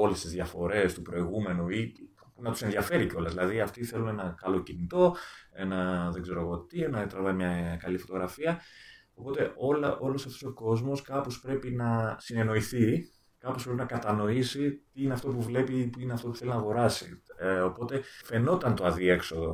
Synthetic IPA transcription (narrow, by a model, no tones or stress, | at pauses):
o̞lest̪izðʝɐfo̞ɾe̞st̪upɾo̞iɣume̞nui | nɐt̪u̥se̞nðʝɐfe̞ɾiceo̞lɐzðilɐðiɐft̪iθe̞lune̞nɐkɐlo̞cinit̪o̞e̞nɐðeɡze̞ɾo̞ɣo̞t̪ienɐet̪ɾɐvɐimɲɐkɐlifo̞t̪oɣɾɐfiɐopo̞t̪e̞ʔo̞l̰ʔo̞lo̞sɐft̪oso̞ko̞zmo̞skɐpo̞spɾe̞pinɐsine̞no̞iθi | kɐpospɾepinɐkɐt̪ɐno̞isit̪iineɐft̪o̞puvle̞pipuineɐft̪o̞pu̥θelinɐːɣo̞ɾɐsḭo̞po̞t̪e̞fe̞no̞t̪ɐnt̪o̞ɐðie̞kso̞ðo